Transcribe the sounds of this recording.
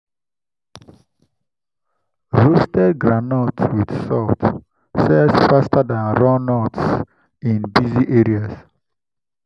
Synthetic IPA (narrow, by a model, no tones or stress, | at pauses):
ɹostɛdɡɹanɔtwid̥sɔt | sɛsfastadãnɹɔnɔts | ĩnbiziʔeɹias